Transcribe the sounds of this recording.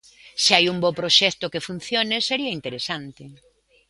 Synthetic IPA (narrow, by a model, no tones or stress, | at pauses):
sɪajumbopɾoʃɛkt̪ʊkefun̟θjoneseɾiɐint̪eɾesant̪ɪ